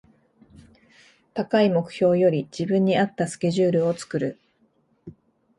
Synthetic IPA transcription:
t̪akaimo̞kɯ̟̥ço̞ːjo̞ɾʲid͡ʑibɯ̟̃ɲ̟ːiat̪ːasɨ̥kʲe̞ʑɨːɾɯ̟o̞t͡sɨ̥kɯ̟ɾɯ̟

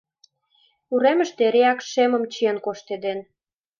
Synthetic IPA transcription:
uɾemə̆ʃt̪eɾeɑkʃemə̆mt͡ɕənkoʃt̪ed̪en

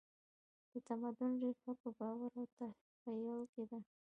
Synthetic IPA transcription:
d̪̥ət̪amad̪ʊnɾifapəbɑwaɾawt̪a | pajawked̪a

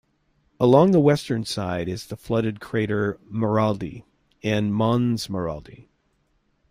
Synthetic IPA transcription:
əlɔ̃ŋðəwɛstə̃˞nsaɪɾɨzðəflʌɾɨd̚kʰɹ̥eɪɾə˞mə˞ɑlˠdi | ɨ̃nmɑ̃nzmə˞ɑ̰lˠdi

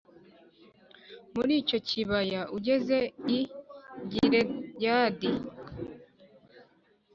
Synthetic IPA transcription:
muɾiːco̞ciβajaʔuɟe̞ze̞iɟiɾeɟaːdi

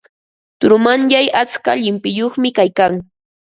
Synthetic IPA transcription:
t̪ʊɾʊmanʎajat͡ska̰ʎɪmpɪjoχmɪkajkaŋ

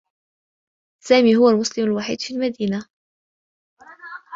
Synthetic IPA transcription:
saːmiːɦʊwalmʊslɪmalwaħḭːd̪fiːlmad̪iːna

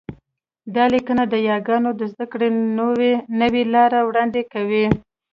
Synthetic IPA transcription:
d̪ɑlikənad̪əjɑɡɑnod̪əzd̪akɽenowenəwelɑɾawɽɑnd̪ekawi

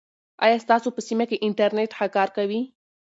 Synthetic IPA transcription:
ɑ̰jɑst̪ɑsopəsimakeʔɪɳʈaɾneʈxakɑɾkawi

